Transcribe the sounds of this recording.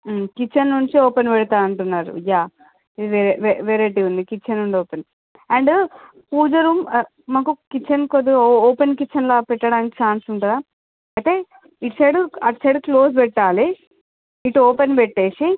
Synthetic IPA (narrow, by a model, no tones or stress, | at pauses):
kit͡ʃːɐnːuɲt͡ʃiɔːpenpɛɽut̪aːɐɳʈunːaːɾṵjaː | id̪iʋeɾeʋeʋeːɾeːʈiund̪ikit͡ʃːɐnuɳɖɔːpen | ɐɳɖ | puːd͡ʒɐɾum | maːkukit͡ʃːɐnkod̪iɔːpenkit͡ʃːɐnlaːpɛʈːɐɽaːnikit͡ʃaːnsuɳʈɐd̪aː | ɐjt̪e̞ː | iʈseɽuɐʈseɖklo̞ːspɛʈːaːliː | ʈuɔːpenpɛʈːeːʂi